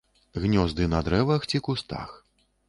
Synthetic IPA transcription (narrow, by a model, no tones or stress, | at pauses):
ɣnʲɔzd̪ɨnɐd̪ɾɛvɐxt͡sʲikust̪a̰x